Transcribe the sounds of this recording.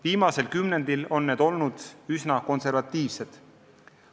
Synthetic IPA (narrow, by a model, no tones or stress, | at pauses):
viːmɑse̞lkymne̞nd̪̥ilo̞nːe̞ːd̪̥o̞lnud̪̥ysnɑko̞nse̞rvɑt̪ːiːvse̞d̪̥